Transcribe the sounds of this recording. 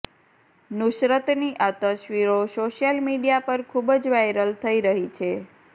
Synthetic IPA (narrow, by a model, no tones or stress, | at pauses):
nʊʃɾət̪niʔat̪əʃʋiɾosoʃjəlmiɖijapəɾkʰubd͡ʒʋajɾəlt̪ʰəiɾəɦit͡ʃʰe